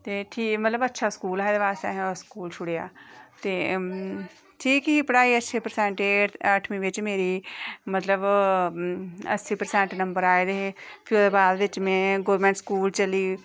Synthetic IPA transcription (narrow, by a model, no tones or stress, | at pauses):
t̪eːʈʰiːmət̪ləbətːʃʰaːskuːlaːed̪eːʋaːst̪eɦskuːlt͡ʃʰʊɽeja̰ːt̪eː | ʈʰiːkipəɽaːiːətːʃʰeːpəɾsɛ̃ːɳʈeːəʈʰmĩːʋɪt͡ʃmeːɾiːmət̪ləb | ə̰siːpəɾsɛ̃ːɳʈnə̃mbəɾaːeːd̪eeːpʰɪod̪eːbaːd̪ʋɪt͡ʃmɛ̃ːɡoːəɾmɛ̃ːɳʈskuːlt͡ʃəliː